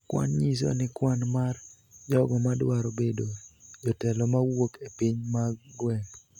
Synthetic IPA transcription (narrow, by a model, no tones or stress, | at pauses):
kwa̰nɲis̬ɔ̰nɪkwanmar | d͡ʒɔɡɔmadwaɾobedod͡ʒɔtɛlɔmawokepiɲmaɡwɛn